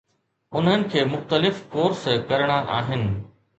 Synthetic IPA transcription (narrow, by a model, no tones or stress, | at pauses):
ʊn̤ɦənɪ̆kʰeːmʊxt̪əlɪfkoːɾskɐɾəɽ̃aʔaːɦɪnɪ̆